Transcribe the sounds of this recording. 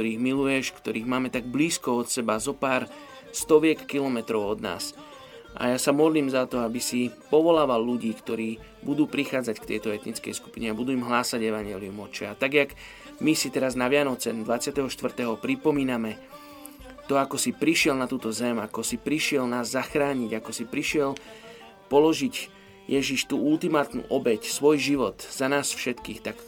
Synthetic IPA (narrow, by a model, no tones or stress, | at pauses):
kt̪ɔɾiːɣmilujɛʃkt̪ɔɾiːɣmaːmɛt̪aɡ̚bliːskɔɔt̪sɛbazɔpaːɾ | st̪ɔʋɪɛkːilɔmɛt̪ɾɔʊɔd̪na̰ːs | ʔa̰jaːsamɔd̪liːmzat̪ɔabisipɔʋɔlaːʋalːuɟiːkt̪ɔɾiː | bud̪uːpɾixaːd͡zackt̪ɛjt̪ɔɛt̪nit͡skɛ̰jsku̥piɲɛabud̪uːimɦlaːsaɟɛʋaɲɪɛliumɔt͡ʃɛat̪aɡjaɡ | misit̪ɛɾaznaʋɪanɔt͡sɛd̪ʋat͡sɪat̪ɛɦɔʃt̪ʋr̩t̪ɛːɦɔpɾipɔmiːnamɛ | t̪ɔakɔsipɾiʃɪɛlnat̪uːt̪ɔzɛmakɔsipɾiʃɪɛlnaːzːaxɾaːɲiɟakɔsipɾiʃɪɛl | pɔlɔʒiɟ | jɛʒiʃt̪uːult̪imaːt̪nṵːʔɔbɛcsʋɔjʒiʋɔt̪z̥anaːsfʃɛt̪kḭːxt̪ak